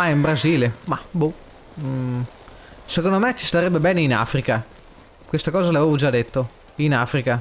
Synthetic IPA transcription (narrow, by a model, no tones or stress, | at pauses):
maimbɾaziːlemabu | sekond̪omet͡ʃːi̥st̪aɾɛbːebɛːneina̰ːfɾika | kwest̪akɔːzalaveːvod͡ʒad̪ːet̪ːo | inaːfɾika